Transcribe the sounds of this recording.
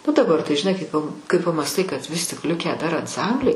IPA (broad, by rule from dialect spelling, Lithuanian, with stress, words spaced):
nʊ dɐˈbɐr tɐɪ ʒʲɪˈnɐɪ kɐɪ pɐ kɐɪ pɐmɑːsˈtɐɪ kɐt ʋʲɪs ˈlʲɪkʲæː dɐr ɐnsˈɐmʲbʲlʲɛɪ